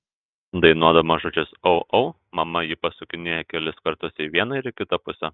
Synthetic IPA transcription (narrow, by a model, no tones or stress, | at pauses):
d̪ɐɪnuɔd̪ɐʋmɐʒʊt͡ʃʲʊsoʊʔɐʊ | mɐmɐjɪpɐsʊkʲɪnʲeːjɛkʲɛlʲɪskɐɾt̪ʊsiːʋʲiɛnɐɪɾɪkʲɪt̪ɐpʊsʲɛ